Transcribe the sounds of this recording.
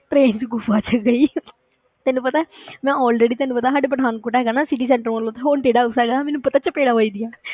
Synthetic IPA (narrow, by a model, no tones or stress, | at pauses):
ʈɾeːnd͡ʒɡʊfaːt͡ʃəɡəiː | t̪ɛːnũpət̪aːmɛ̃ːɔːlɾeːɖiːt̪ɛːnũpət̪aːsaːɖeːbəɽaːnkoːʈːɛːɡaːnaːsɪʈ̬iːsɛ̃ːɳʈəɾmolõːt̪eɦoːnʈeːɖaːʊsɛːɡaːmɛːnũpət̪aːt͡ʃəpeːɽaːʋoiːd̪ɪjaː